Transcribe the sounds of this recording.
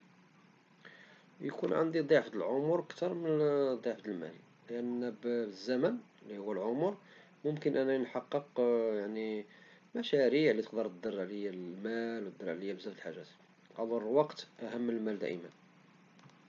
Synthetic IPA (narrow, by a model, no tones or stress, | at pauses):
jkunʕa̰nd̪id̪ˤɑʕfd̪əlʕomʊɾʔəkt̪ɑɾˤmənd̪ˤːɑʕfd̪əlmæ̰l | ləʔənːæbbəzːæmən | əlːihʊwːælʕomɾ | mʊmkənʔænːænħɑqːəqjaʕni | mæʃæɾiʕlit̪əqd̪əɾt̪əd̪ərˤʕlijælmælwt̪əd̪ːəɾˤʕlijːæbəzæft̪əlħaʒːæt̪ | ʔɑd̪ˤɑɾˤwɑqt̪ʔæhəmːəlmæld̪æ̰ʔəmən